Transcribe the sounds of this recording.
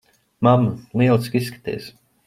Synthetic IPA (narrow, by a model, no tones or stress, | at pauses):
mamlˠiɛlˠskisːkḁt̪ḭːs